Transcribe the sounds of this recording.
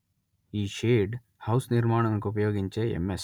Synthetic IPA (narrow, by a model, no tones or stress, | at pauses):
iːʃeːɖ | hɐwsniɾmaːɳ̃ɐmkuup̬ɐjoːɡiɲt͡ʃeḛmːes